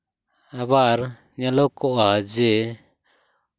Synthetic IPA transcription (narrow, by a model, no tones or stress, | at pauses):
aβaɾ | ɲalɔkɔʔad͡ʒɛ